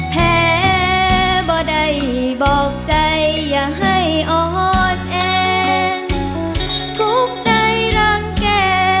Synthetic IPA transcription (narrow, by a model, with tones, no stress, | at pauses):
pʰɛː˧˩ | bɔː˧da˧˩jbɔː˨˩k̚t͡ɕa˧jːaː˨˩ɦa˧˩jʔɔː˧˩hɔː˧˩t̪̚ʔɛː˧ŋ | k̪ʰu˧˥k̚da˧jɾaː˧˩ŋkɛː˧˩